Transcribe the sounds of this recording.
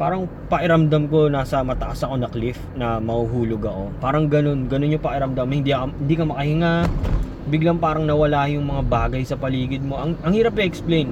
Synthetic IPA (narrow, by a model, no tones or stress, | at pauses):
paːɾɐŋ | pɐʔɪɾɐmd̪amko̞naːsɐmɐt̪ɐʔasɐko̞nɐklɪfnɐmɐhuɦuːloɡɐko̞paːɾɐŋɡɐno̞nɡɐno̞nɲopɐʔɪɾɐmd̪amhɪnd̪ihɪnd̪iːkɐmɐkɐhɪŋa | bɪɡlaŋpaːɾɐŋnɐwɐlaːjʊŋmɐŋabaːɡɐjsɐpɐliːɡɪd̪̚mo̞ʔɐŋʔɐŋhiːɾɐp̚ːɛʔɛksplejn